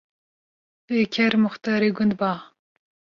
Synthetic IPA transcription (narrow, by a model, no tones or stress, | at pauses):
eːkʲʰɛɾmʊxt̪ɑːɾeːɡʊnd̪̚bɑː